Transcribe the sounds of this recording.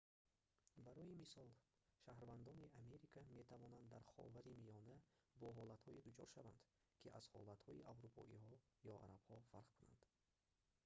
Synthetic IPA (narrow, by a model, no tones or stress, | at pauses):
baɾɔjimisɔl | ʃahɾvand̪ɔniʔameɾikʰame̞t̪ʰavɔnand̪ːaɾχɔ̰vaɾimijɔnæbɔɦɔlat̪hɔid̪ut͡ʃʰɔ̰ɾʃavand̪̥ | kʰiʔaz̥hɔ̰lat̪hɔiʔavɾupʰɔ̰ʔihɔjɔʔa̰ɾab̥hɔfaɾqkʰuna̰nd̪̥